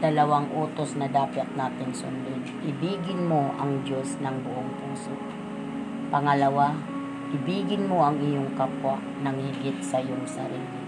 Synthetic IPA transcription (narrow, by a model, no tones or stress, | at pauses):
d̪̥ɐlɐwaŋʔoːt̪osnɐd̪aːpɪt̪̚naːt̪ɪnsʊ̰nd̪od̪ʔɪbiːɡɪnmoʔɐŋd͡ʒo̞snɐŋbʊʔoŋpuːso̰ | pɐŋɐlɐwa | ʔɪbiːɡɪnmoʔɐŋɪjoŋkapwa | nɐŋɪɡɪt̪̚sɐɪjoŋsɐɾiːlɪ